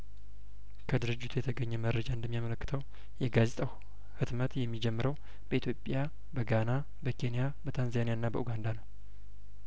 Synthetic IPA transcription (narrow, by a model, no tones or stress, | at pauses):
kʰəd̪ɨɾɨd͡ʒːɪt̪ʰujɛt̪ʰəɡəɲːɛməɾːəd͡ʒaɨnd̪əmːijamələkːɨ̥t̪ʰəw | jɛɡazet̪ʼaw | hɨt̪mət̪jɛmːid͡ʒɛmːɨɾəw | b̥əʔit̪ʰjo̞pʼːja | bəɡana | bəkʰe̞nijabət̪ʰanzanijanːabəʔuɡand̪anəw